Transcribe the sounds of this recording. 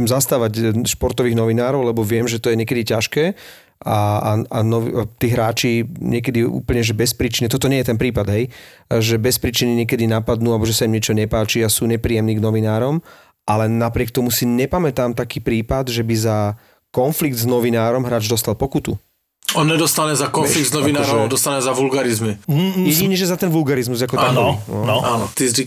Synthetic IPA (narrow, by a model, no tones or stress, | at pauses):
ɛmzast̪aːʋaɟʃpɔɾt̪ɔʋiːɣnɔʋinaːɾɔʊlɛbɔʋɪɛmʒɛt̪ɔjɛɲɛkɛd̪icaʃkɛː | aaanɔʋt̪iːɦɾaːt͡ʃiɲɛkɛd̪iṵːpl̩ɲɛʒɛbɛspɾit͡ʃinit̪ɔt̪ɔɲɛjɛt̪ɛnpɾiːpad̪ɦɛjʒɛbɛspɾiːt͡ʃiniɲɪɛk̬ɛd̪inapad̪nuːalbɔʒɛsaimɲɛt͡ʃɔɲɛpaːt͡ʃiasuːɲɛpɾiːjɛmniːɡnɔʋinaːɾɔm | ʔalɛnapɾɪɛk̚t̪ɔmusiɲɛpamɛt̪aːmt̪akiːpɾiːpad̪ʒɛbiza | kɔnfliɡd̪znɔʋinaːɾɔmɦɾaːd͡ʒd̪ɔst̪alpɔkut̪ṵ | ɔnɲɛd̪ɔst̪aɲɛzakɔnfliɡd̪znɔʋinaːɾɾɔɔnd̪ɔst̪anɛzaʋulɡaɾizmijɛiɲɛʒɛzat̪ɛnʋulɡaɾizmuzakɔt̪aɔnɔnɔanɔt̪izi